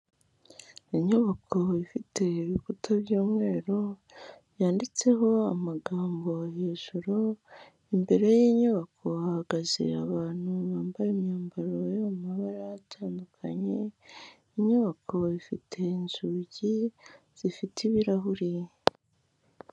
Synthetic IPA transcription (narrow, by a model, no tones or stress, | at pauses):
iɲoβakʰo̞ifitʰe̞iβikutʰaβjuːmŋwe̞ːɾo̞ | jaːndit͡se̞ɦo̞amaɡaːmbo̞aheːʒ̥uɾo | imbe̞ɾe̞jiːɲoβakʰo̞ahaɡaze̞̰a̰βaːn̥huβaːmbaɾemɲaːmbaɾojoumaβaɾaatʰaːndukʰaɲe̞ | iɲoβakʰo̞ifitʰe̞nzuɟi | z̥ifitʰiβiɾaɦuɾi